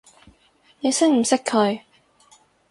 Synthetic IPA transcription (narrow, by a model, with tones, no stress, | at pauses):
ne˨˧sɪ˥ŋm̩˨˩sɪ˥kʰːɵ˨˧ɥ